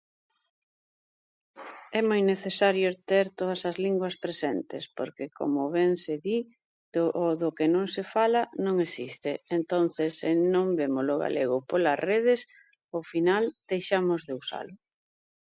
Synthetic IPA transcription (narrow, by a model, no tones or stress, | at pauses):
ɛmojneθesaɾjʊet̪eɾt̪oð̞ɐsɐzliŋɡwɐspɾesent̪ḛspo̰ɾkekʰo̰mʊβɛŋseði | ʔoðʊkɪnõŋsefalɐnõŋesist̪ɪːnt̪on̟θesːɪnõŋbemʊlʊɣa̰leɣʊpolɐsreðɪs | ofinald̪̥ejʃamʊzðeusa̰lʊ